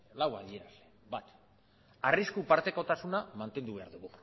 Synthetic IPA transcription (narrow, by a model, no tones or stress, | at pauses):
lawaðie̞ɾale | bat̪ | ariskupaɾt̪e̞ko̞t̪asunamant̪e̞nd̪uβe̞aɾðuɣu